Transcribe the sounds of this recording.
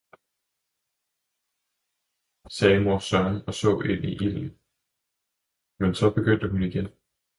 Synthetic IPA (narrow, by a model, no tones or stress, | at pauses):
sɛːmo̝ɐsɶɐnɒ̽sɔ̰̽ːe̝n̰ʔiʔid̥ɐli | mensɒ̽b̥e̝ɡ̥øn̰d̥əhuniɡ̥en